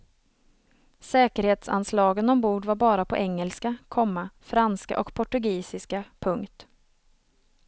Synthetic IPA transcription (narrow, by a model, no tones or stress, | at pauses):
sɛːkəɾheːt̪sa̰nslɑːɡənɔmbuːɖvaɾbɑːɾapʰɔʔɛŋːɛlskakʰɔmːafɾanska̰ʔɔkpʰɔʈɵɡiːsɪskapʰɵŋkt̪